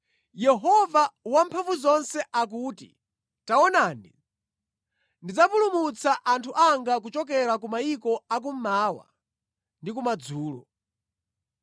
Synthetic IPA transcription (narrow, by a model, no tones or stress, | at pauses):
jɛɦɔvawampʰaɱvuzɔnsɛʔak̬uːtḭ | taɔnaːnḭ | ndid͡zapulumut͡saʔantʰuʔaŋɡakut͡ʃɔkɛɾakumaikɔak̬um̩maːwa̰ | ndik̬umad͡zuːlɔ̰